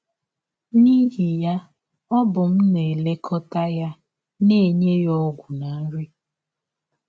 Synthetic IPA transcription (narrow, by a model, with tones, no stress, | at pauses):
ni˦ɦi˨ja˦ | ɔ˦bʊ˨m̩˦ne˨le˦kʰɔ˦ta˦ja˦ | ne˦˨ɲe˦jɔ˦ɡʷʊ˨na˨˦ɾi˦